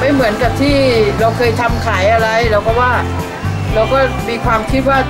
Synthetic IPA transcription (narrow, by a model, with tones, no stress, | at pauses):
ma˥˩jmɯ˩˦ənka˨˩p̚t̪ʰiː˥˩ɾa˧wkʰɤː˧jt̪ʰa˧mkʰaː˩˦jʔa˧ɾa˧jɾɛː˦˥wkɔː˥˩waː˥˩ | ɾa˧wkɔː˥˩miː˧kʰwaː˧mkʰi˦˥t̪̚waː˥˩